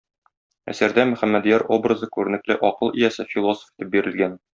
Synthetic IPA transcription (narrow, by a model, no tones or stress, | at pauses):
æ̰sæɾd̪æmɵ̆χæmːæd̪ijæɾʔo̞brɤzɤkʉɾɘ̆nɘ̆klɘʔɒqɤlˠijæsɘfʲilˠo̞so̥fi̥t̪ɘp̚biɾɘ̆lɡæn